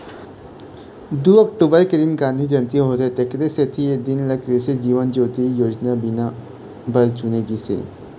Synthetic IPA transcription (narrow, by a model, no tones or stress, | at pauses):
d̪uːɐk̚ʈ̪ubəɾked̪ɪnɡãːnd̪ʱid͡ʒɐnt̪iɦoːɾet̪ekɾeset̪ʰied̪ɪnlɐkɾesed͡ʒiːʋənd͡ʒoːt̪ijoːd͡ʒnabɪna | bɐɾt͡ʃʊneːɡisḛː